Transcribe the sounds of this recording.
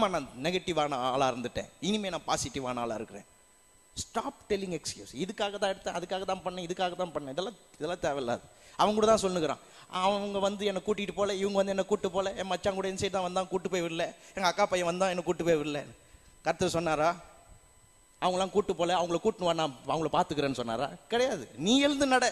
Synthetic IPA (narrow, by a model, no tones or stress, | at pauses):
maːnãːnɛɣɐʈːɪʋaːnaːlaːɪɾɯnd̪ɯʈːḛ̃ːɪnɪmeːnãːpaːsɪʈːiʋa̰ːnaːla̰ːɪɾɯkːɯɾḛ̃ː | sʈaːpʈɛlːɪŋɡɛkskjṵːsɪðɯkːaːɣɐt̪ãːɛɽɯt̪ːãːɐðɯkːaːɣɐt̪ãːpɐɳːẽɪðɯkːaːɣɐt̪ãːpɐɳːɛ̃ɪðɛlːãːɪðɛlːãːt̪eːʋɛla̰ːðɯɐʋɐŋɡkuːɽɐt̪ãːsɔlːɯkɯɾã̰ː | ɐʋʋɐŋɡɐʋɐnd̪ɯɛnːɐkːuːʈːɪkʈːɯpoːlɛɪʋɐŋɡɐʋɐnd̪ɯɛnːɐkuːʈːɯpːoːlɛɛmmɐt͡ʃːaːŋkuːɽɐɛnːɐs̬ɛjʈːɯt̪ãːʋɐnãːkuːʈːɯpːoːjʋɪɽɯlːɛɛŋɡɐkːaːpɐjɐ̃ʋɐnd̪ãːɛnːɐkuːʈːɯpoːjʋɪɽɯlɛ | kɐɾɐt̪ːɐɾsɔnːaːɾaː | ɐʋɐŋɡɐlːãːkuːʈːɯpːoːlɛɐʋɐŋɡɭɐkuːʈːnɯʋaːnaːɐʋɐŋɡɐɭɐpaːɾt̪ɯk̬ːɯɾẽːnːɯsɔnːa̰ːɾa̰ːkɪɽɐjaːðɯniːɛɻɯnd̪ɯnɐɽɐ